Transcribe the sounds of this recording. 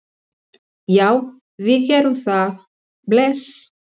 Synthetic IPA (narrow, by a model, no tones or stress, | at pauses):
jaːw | vɪðcɛːɾʏmθað | blɛs